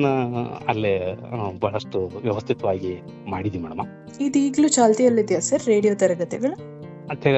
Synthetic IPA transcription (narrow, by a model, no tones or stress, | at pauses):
nɐɐ̰lːebɐɦɐɭɐʂʈuʋjɐʋɐst̪ʰit̪ɐʋaːɡi | maːɽid̪iimɛːɽɐ̰ma | id̪iːɡlut͡ʃaːlt̪ijɐlːid̪jasɐɾːe̞ːɽijoːt̪ɐɾɐɡɐt̪ɛɡɐɭu | ɐt̪ʰɛɡ